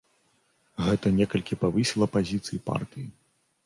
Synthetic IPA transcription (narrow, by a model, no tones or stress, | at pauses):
ɣɛt̪ɐnʲɛkɐlʲkʲipavɨsʲilˠɐpazʲit̪sɨjipa̰rt̪ɨji